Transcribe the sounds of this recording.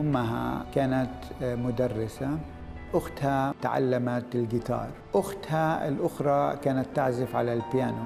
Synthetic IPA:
ʊmːaɦa̰kaːnat̪mʊd̪arːɪsa | ʔʊxt̪hat̪aʕa̰lːamat̪ɪlɡɪt̪ɑ̰ːɾˤʔʊxt̪haɪ̰lʔʊxɾˤɑkaːnat̪ːaʕzɪfʕa̰lalbjaːna

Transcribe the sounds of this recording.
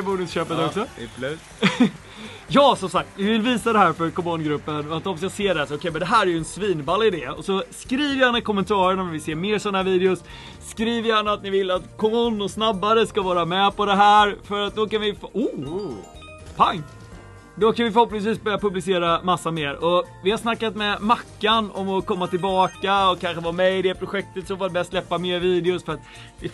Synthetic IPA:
buːnɕøːpət̪ɔksɔ | jɑːsɔmsak̚t̪vɪvɪlviːsad̪ɛɦæːɾfœɾkʰɔmuːnɡɾɵpːənat̪ɔfsjɑseːɖɛsʊkʰɛjmɛnd̪ɛɦæːɾæɾjɵɛnsviːnbalːɪd̪eːɔ̰sɔskɾiːvəjhanːəkʰɔmːɛnt̪ʰɑːɾəɳamɛvɪseːɾmeːɾʂɔnahæɾviːd̪ɛʊsː | kɾiːvəjanːat̪nɪvɪlːat̪kʰɔmunːʊsnabːaɾəskavɑːɾamɛpɔd̪ɛɦæːɾfœɾat̪̚d̪ɔkanvɪfu | pʰaŋː | d̪ɔkanvɪfœɾhɔpnɪŋs̬viːsbœɾjapɵblɪseːɾamasːameːɾɔvɪhaɾsnakːat̪mɛmakːanɔmɔkɔmːat̪ɪlbɑːkaɔkʰanɧəvamɛɪd̪ɛpʰɾʊɧɛk̚t̪ət̪sɔvad̪bɛjaslɛpːameːɾviːd̪ɛʊsfœɾat̪ | ɪ

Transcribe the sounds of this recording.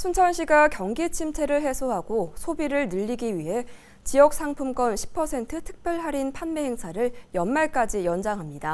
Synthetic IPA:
sʰunt͡ɕʰʌnɕʰiɡakjʌŋɡit͡ɕʰimt͡ɕʰe̞ɾɯɭɦe̞sʰoɦaɡosʰobiɾɯɭnɯʎːiɡiɥiɦe̞ | t͡ɕijʌk̚s͈ʰaŋpʰumk͈ʌnɕʰi̥pʰʌsʰe̞ntʰɯtʰɯ̥k̚p͈jʌɭɦaɾinpʰanme̞ɦeŋsʰaɾɯɭjʌnmaɭk͈ad͡ʑijʌnd͡ʑaŋɦamɲida

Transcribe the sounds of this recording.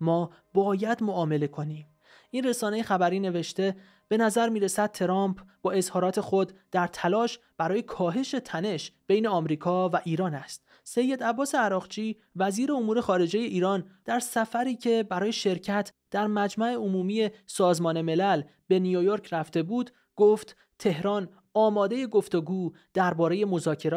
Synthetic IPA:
mɒː | bɒːjæd̪moʔɒːme̞le̞kʰo̞niːm | ʔinre̞sɒːne̞jexæbæɾiːne̞ve̞ʃt̪e̞ | b̥e̞næzæɾmiːɾe̞sæd̪̚t̪ʰe̞ɾɒːmpʰb̥ɒːe̞zhɒːɾɒːt̪ʰe̞xo̞d̪d̪̥æɾt̪ʰælɒːʃ | b̥æɾɒːje̞kʰɒːɦe̞ʃe̞t̪ʰæne̞ʃb̥e̞jne̞ɒːmɾiːkʰɒːvæʔiːɾɒːnæst̪̚ | se̞jːe̞d̪æbːɒːse̞æɾɒːɣt͡ʃʰiː | væziːɾe̞omuːɾe̞xɒːɾe̞d͡ʒe̞je̞ʔiːɾɒːnd̪̥æɾsæfæɾiːcʰe̞bæɾɒːje̞ʃe̞ɾcʰæt̪ʰd̪̥æɾmæd͡ʒmæʔe̞omuːmiːje̞sɒːzmɒːne̞me̞læl | be̞nijojo̞ɾcʰɾæft̪e̞buːd̪ | ɡ̥oft̪ | t̪ʰe̞hɾɒːn | ɒːmɒːd̪e̞je̞ɡo̞ft̪o̞ɡuː | d̪̥æɾbɒːɾe̞je̞mo̞zɒːcʰe̞ɾː

